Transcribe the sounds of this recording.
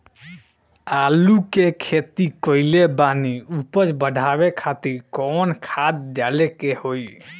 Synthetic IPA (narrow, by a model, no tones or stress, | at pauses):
alukekʰet̪ikɔilebaniupət͡ʃbəɖʱabekʰat̪iɾkɔnkʰad̪̚ːalekehoj